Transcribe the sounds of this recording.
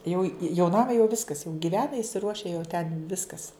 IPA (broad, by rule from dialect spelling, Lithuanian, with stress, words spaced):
jɛʊ jɛʊ ˈnɑːmɐ jɛʊ ˈʋʲɪskɐs jɛʊ ɡʲɪˈʋʲæːnɐ ɪsʲɪˈruɔʃʲɛ jɛʊ tʲɛn ˈʋʲɪskɐs